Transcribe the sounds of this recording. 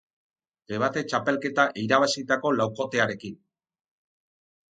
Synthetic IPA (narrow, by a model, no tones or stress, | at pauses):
d̪e̞βat̪e̞t͡ʃape̞lke̞t̪aʔiɾaβ̞asit̪ako̞lawko̞t̪e̞aɾe̞kin